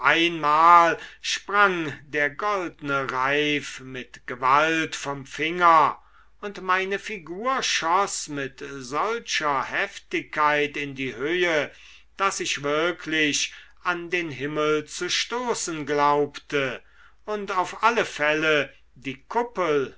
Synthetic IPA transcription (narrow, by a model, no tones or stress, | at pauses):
ʔaɪnmaːlʃpʁaŋdeːɐɡɔldnəʁaɪfmɪtɡ̥əvaltfɔmfɪŋɐ | ʊntmaɪnəfiɡuːɐʃɔsmɪtzɔlʃɐhɛftɪkːaɪtɪndiːhøːə | d̥asɪçv̥ɪɐkʰlɪɕʔandeːnɦɪməl̩t͡suʃtoːsən̩ɡlaʊptə | ʔʊntaʊfʔaləfɛlə | diːkʰʊpəl̩